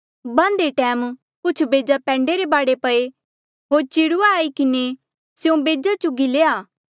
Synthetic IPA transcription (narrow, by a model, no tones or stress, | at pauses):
bãːnd̪eʈɛːm | kʊt͡ʃʰbeːd͡ʒapɛ̃ːɳɖeɾebaːɽepɐe | ɦoːɾt͡ʃiɽʊaaːikɪne | sjũbeːd͡ʒat͡ʃʊɡileːaː